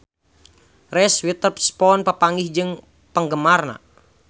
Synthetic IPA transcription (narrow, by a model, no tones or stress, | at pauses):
rɛswit̪əpspɔnpəpaŋɡihd͡ʒɨŋ | pəŋɡəmarna̰